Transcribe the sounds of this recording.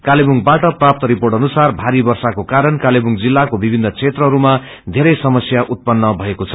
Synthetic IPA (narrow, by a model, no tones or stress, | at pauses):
kalebuŋbaʈʌprap̚t̪ʌɾiporʈʌnusarbʱaɾibʌrsakokaɾʌnkalebuŋd͡zilːakobibʱinːʌt͡sʰet̪rʌɦʌɾuma | d̪ʱeɾʌjsʌmʌsjaʔut̪̚pʌnːʌbʱʌekot͡sʰʌ